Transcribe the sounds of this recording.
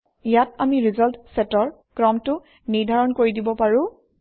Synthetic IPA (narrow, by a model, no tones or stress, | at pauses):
ijatamiɹizɔltsɛtɔɹ | kɹɔmtʊ | niɹdʱaɹɔnkoɹidibɔpaɹʊ̃